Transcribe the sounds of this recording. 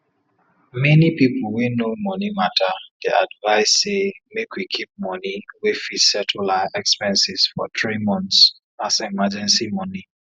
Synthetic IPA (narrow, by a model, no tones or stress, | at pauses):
mɛnipipl̩winomɔnimatʰədia̰dvaɪsːemekwikʰip̚mɔniwifisɛtʰulaɛkspɛ̃nsisfɔ̰tɹimɔ̃nts | asimad͡ʒɛ̃nsimɔni